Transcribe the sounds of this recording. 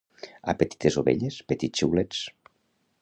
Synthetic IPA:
a̰pet̪i̥t̪ezoβḛʎespet̪iiwlet͡s

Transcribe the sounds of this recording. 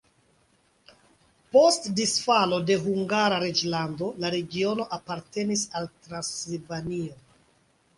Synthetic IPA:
po̞stdisfalo̞de̞ɦuŋɡaɾaɾe̞d͡ʒlando̞laɾe̞ɡio̞no̞ʔapaɾte̞nisaltɾansilvanio

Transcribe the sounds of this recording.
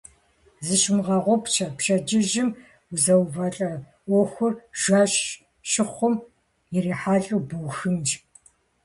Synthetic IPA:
zɨʃmʁɐʁʷɔpt͡ʃʰɐpʃɐd͡ʒɪʒɪm | uzɐwvɐːɬʼɐ | ʔʷɔːxʷʊrʒ̥ʷaːɕ | ʃɪχʷʊm | jɪɾiːħaːɬʼuwbuwxɨnd͡ʒ

